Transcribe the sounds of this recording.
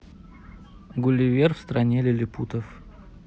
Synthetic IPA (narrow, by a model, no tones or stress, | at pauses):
ɡʊlʲɪvʲerfst̪ɾɐnʲelʲɪlʲɪput̪əf